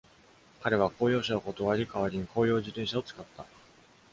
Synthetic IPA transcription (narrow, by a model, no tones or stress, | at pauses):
kaɾe̞βako̞ːjo̞ːɕanokot̪o̞βaɾʲikaβaɾʲiɲ̟ikʰo̞ːjo̞ːd͡ʑit̪ẽ̞ɰ̃ɕao̞t͡sɨ̥kat̪ːa